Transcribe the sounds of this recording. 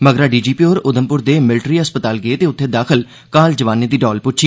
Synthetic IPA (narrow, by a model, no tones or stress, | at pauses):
məɡɾãːɖiːd͡ʒiːpiːoːɾʊd̪əmpʊɾd̪eːmɪlʈɾiːəspət̪aːlɡəeːt̪eːʊt̪ʰːeːd̪aːkʰəl | kaːld͡ʒəʋaːneːd̪iːɖɔːlpʊt͡ʃʰi